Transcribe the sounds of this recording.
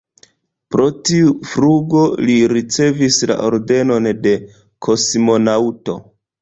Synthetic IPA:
pɾo̞tiufɾuɡo̞liɾit͡se̞visla̰ʔo̞ɾde̞no̞nde̞ | kʰo̞smo̞nauto̞̰

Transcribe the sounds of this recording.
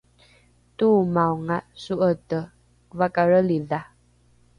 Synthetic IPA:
tumawŋaʔsuʔətə | vakaɾəliða

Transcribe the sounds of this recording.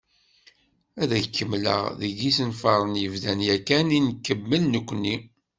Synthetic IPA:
æðækːəmːlə̰ʁðəɡisənfɑɾˤənjəvðænjækːæninkːəmːəlːəkʷːni

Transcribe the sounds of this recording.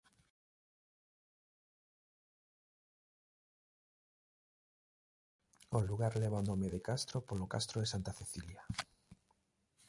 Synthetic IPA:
oluɣaɾlɛβaonɔ̃meðekast̪ɾopolokast̪ɾoðesant̪aθeθilja

